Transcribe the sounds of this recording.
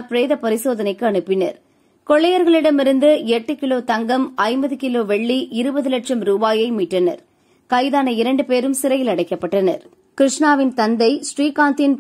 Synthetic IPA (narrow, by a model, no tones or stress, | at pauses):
pɾeːðɐpɐɾɪsoːðɐnɐɪkːɯɐɳɯpːɪnɐ̰ɾ | kɔɭːɐjɐɾɣɐɭɪɽɐmɪɾɯnd̪ɯɛʈːɯkɪloːt̪ɐŋɡɐmɐɪmbɐðɯkɪloːʋɛɭːiʔɪɾɯbɐðɯlɐʈʂɐmɾuːbaːjɐɪmiːʈrɐnɐ̰ɾ | kɐɪðaːnɐɪɾɐɳɖɯpeːɾɯmsɪɾɐjɪlɐɽɐɪkːɐpːɐʈːɐnɐ̰ɾ | kɪɾɪʂɳaːʋɪnt̪ɐnd̪ɐɪsʈriːkaːnt̪ɪn